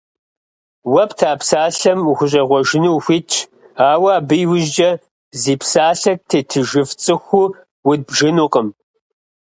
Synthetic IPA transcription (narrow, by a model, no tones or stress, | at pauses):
wɐptʰaːpsaːɬɐmxʷʊɕ̬ʼɐʁʷɔʒɪnuwxʷit͡ʃʰ | aːwɐːbɨjwʊʒd͡ʒɐ | ziːpsaːɬɐk̚tʰeːtʰɨʒɨft͡sʼɨxʷʊ | wʊd̚bʒɪnuqəm